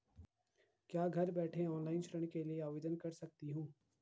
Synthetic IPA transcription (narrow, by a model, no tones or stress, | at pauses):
kjaːɡʱɐɾbɛːʈʰẽɔːnlaːɪnt͡ʃʰɾəɽ̃kelieaːʋeːd̪ənkɐɾsɐk̚t̪iɦũː